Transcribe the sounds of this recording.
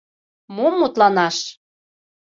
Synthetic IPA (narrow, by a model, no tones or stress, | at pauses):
momːut̪lɑnɑʃ